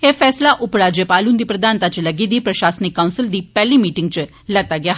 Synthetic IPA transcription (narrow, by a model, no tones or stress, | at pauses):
efɛːslaʔʊpɾaːd͡ʒjəpaːlund̪iːpɾəd̪aːnt̪at͡ʃlɐɡid̪ipɾɐʃaːsnikːawnsɪld̪iːpɛɦlimiːʈɪŋɡ̚t͡ʃ | lət̪aɡjaɦ